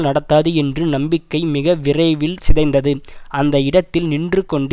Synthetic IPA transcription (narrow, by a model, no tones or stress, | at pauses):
lnɐɽɐt̪ːaːðɯɛndrɯnɐmbɪkːɐɪmɪɣɐʋɪrɐɪʋɪlsɪðɐɪnd̪ɐðɯɐnd̪ɐɪɽɐt̪ːɪlnɪndrɯkːɔɳɖ